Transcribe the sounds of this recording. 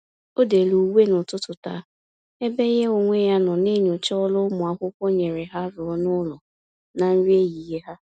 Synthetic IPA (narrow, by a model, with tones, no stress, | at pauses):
o˦de˨lu˨we˦nʊ˨tʊ˦tʊ˨ta̰˨˦ | e˦be˦je˦o˨ŋʷe˦ja˦nɔ˨ne˦ɲu˨t͡ʃɔ˦lʊ˦mʊ˨a˦ɦʊ˦kʷo˦ɲe˨ɾe˨ɦa˦ɾʊ˨ɔ˦nʊ˦lɔ˨ | na˨n̩˦ɾi˦e˦ji˨je˦ɦa˦